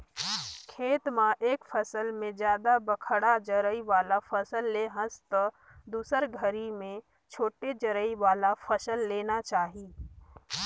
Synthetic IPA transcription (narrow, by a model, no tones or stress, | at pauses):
kʰeːt̪mãʔeːkpʰəsəlmẽzjaːd̪abəkʰəɽad͡ʒəɾəiʋaːlapʰəsəlːeɦə̃st̪ə | d̪uːsəɾɡʱəɾimẽ | t͡ʃʰoːʈed͡ʒəɾəiʋaːlapʰəsəlːeːnat͡ʃaːɦiː